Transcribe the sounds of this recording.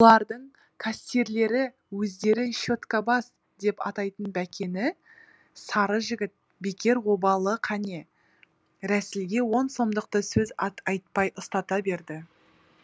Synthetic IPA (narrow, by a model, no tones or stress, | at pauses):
olˠɑɾd̪əɴ | kʰast̪e̞ɾle̞ɾɪ | wɵzd̪e̞ɾɪʃo̞t̪kabɑs | d̪e̞pɑ̰t̪ɑjt̪ənbækʲe̞nɪ | sɑɾəʒɪɡʲɪt̪̚ | be̞kʲe̞ɾwo̞bɑlˠəqʰɑne̞ | ɾæsɪlɡʲe̞wo̞nso̞md̪əq̚t̪əsɵzɑɑjt̪̚pɑjʔəst̪ɑt̪ɑbe̞ɾd̪ɪ